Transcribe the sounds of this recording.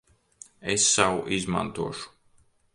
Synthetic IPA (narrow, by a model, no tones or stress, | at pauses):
esːawuʔizma̰nt̪uɔʃu̥